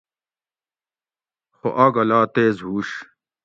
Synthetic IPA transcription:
xoʔɐɡɐlaːt̪eːzɦuːɕ

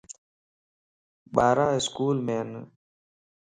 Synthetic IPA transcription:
baːɾaːɪskuːlmeːn

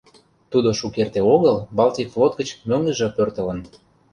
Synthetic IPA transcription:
t̪ud̪oʃukert̪eoɣəlbɑlt̪ʲiflot̪̚ɡə̆t͡ɕmøŋlə̆ʒɤpørt̪ələ̆n

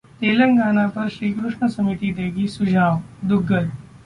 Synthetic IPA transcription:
t̪eːlə̃ŋɡaːnapɐɾʃɾiːkɾʊʃɳəsɐmiːt̪id̪eːɡisʊd͡ʒʱaːʋd̪ʊɡːəd̪

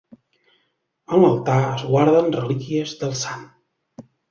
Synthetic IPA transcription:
ənləlˠt̪aəzɣwaɾðənrəlikiəzðəlˠsan

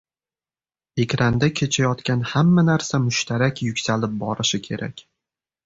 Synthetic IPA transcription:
e̞kʲɾand̪akʲʰe̞t͡ʃʰajɒt̪kʲanhamːanaɾsamʊʃt̪ʰaɾakʲjʊkʲsalɪp̚bɒɾɪʃɪkʲʰe̞ɾʔa̰kʲ

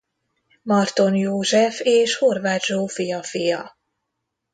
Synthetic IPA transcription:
mɒrt̪o̞njoːʒɛfeːʃhorvaːt̪ʒoːfijɒfijɒ

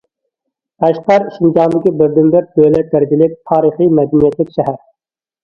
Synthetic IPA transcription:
æʃqɑɾiʃind͡ʒɑnd̪ɪkʲibɪɾd̪ɪnbɪɾd̪øjlɛt̪̚d̪æɾɪd͡ʒʲilɪk̚ʲt̪ʰɑːɾɨχimɛd̪ɛnijɛt̪lɪkʲʃɛɦæɾ

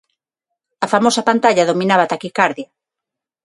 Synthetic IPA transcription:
ɐfamosapant̪aʎaðominaβat̪akikaɾðja

